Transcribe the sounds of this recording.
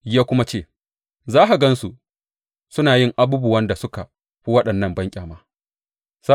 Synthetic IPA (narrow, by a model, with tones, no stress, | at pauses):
jaː˦kʷʊ˦ma˦t͡ʃeː˦˨ | zaː˦ɦa˨ɡɐ˦nsu˨ | sʊ˦naː˨jɪ˦ŋʔa˦buː˦bʊ˨wɐ˦nda˨sʊ˦ka˨ | ɸi˦wɐ˦ɗɐ˨nːɐ˦˨mbɐ˦ŋkʲʼaː˨maː˦ | sa˦